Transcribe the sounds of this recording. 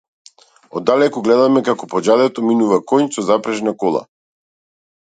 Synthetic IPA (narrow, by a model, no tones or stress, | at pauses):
ɔd̪ːalɛkɔɡlɛd̪amɛkakɔpɔd͡ʒad̪ɛt̪ɔminuvakɔjnsɔzapɾɛʒnakɔlˠa̰